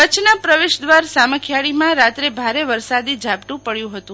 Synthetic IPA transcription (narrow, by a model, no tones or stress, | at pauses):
kət͡ʃʰnapɾəʋeʃd̪ʋaɾsaməkʰjaɭimãɾat̪ɾebʱaɾeʋəɾsad̪id͡ʒʱapʈũpəɭjũɦət̪ũ